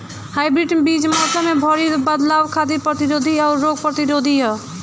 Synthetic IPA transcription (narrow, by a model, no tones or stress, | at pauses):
hajbɾiʈbid͡ʒmat̪ləmebʱɔɾiɾbəd̪lawkʰad̪ipɾət̪iɾod̪ʱiaʊɾːoɡpɾət̪iɾod̪ʱiɦɔ